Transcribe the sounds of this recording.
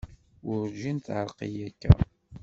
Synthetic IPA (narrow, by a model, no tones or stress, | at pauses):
ʊɾd͡ʒint̪ʕəɾˤqḭjækːæ̰